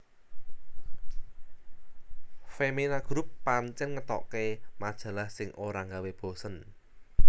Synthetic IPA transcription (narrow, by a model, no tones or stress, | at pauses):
feminaɡ̥ɾupːant͡ʃɛnŋət̪ɔ̰ʔkemad̥ʒ̥ä̤lahsɪŋʔoɾaŋɡaweb̥o̤sən